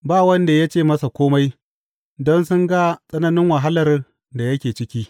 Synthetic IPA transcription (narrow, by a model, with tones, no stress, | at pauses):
baː˦˨wɐ˦nda˨ja˦t͡ʃeː˦˨mɐ˦sa˨kʷoː˦ma˦j | dɔ˦nsʊ˦ŋɡa˦sʼɐ˦nɐ˦nɪ˦ŋwɐ˨ɦa˦lɐ˨r | da˨jɐ˦kʲeː˨t͡ʃɪ˦kʲiː˦